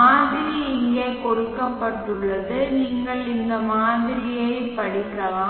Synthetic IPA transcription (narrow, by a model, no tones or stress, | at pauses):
aːðɪɾɪjɪŋɡeːkɔɽɯkːɐpːɐʈːɯɭːɐðɯniːŋɡɐɭɪnd̪ɐmaːðɪɾɪjɐɪpɐɽɪkːɐlaː